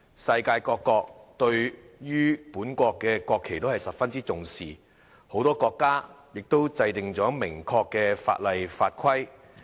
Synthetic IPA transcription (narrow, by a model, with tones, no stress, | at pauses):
sɐ˧jkaː˧jkɔː˧kːɔː˧k̚t̪ɵ˧ɥ | ɥyː˥puː˨˥nkʷɔː˧kːɛː˧kʷɔː˧kʰːe˨˩jt̪o˥whɐ˨˩jsɐ˨p̚fɐ˥nt͡siː˥t͡sʊ˨ŋsiː˨˩ | ho˨˧˥wt̪ɔː˥kɔː˧kːaː˥jɪ˨k̚t̪o˥wt͡sɐ˧jt̪ɪ˨ŋt͡sɔː˨˥mɪ˨˩ŋkʰɔː˧kːɛː˧fa̰ː˧t̚lɐ˨˧jfaː˧t̚kʰɐ˥j